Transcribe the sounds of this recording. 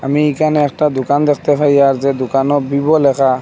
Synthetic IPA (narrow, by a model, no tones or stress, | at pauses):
amiikanɛɛk̚tad̪ʊkand̪ɛkʰt̪ɛpʰaɹjaɹzɛd̪okanɔbibɔlɛkʰa